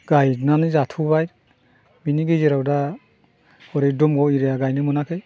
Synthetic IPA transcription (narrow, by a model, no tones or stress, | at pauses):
ɡajnanɯzatʰubaj | biniɡɯzeɾawda | ɔɾejdumɡɔwiɾejaɡajnɯmɯnakʰɯj